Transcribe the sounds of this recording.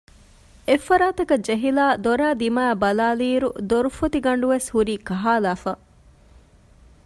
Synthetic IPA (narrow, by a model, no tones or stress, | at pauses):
efːɐɾaːt̪ɐkɐd͡ʒeɦilaːd̪oɾæːd̪imaːbɐlaːliːɾṵd̪oɾufot̪iɡɐɳɖuʋeshuɾiːkɐɦaːlaːfɐ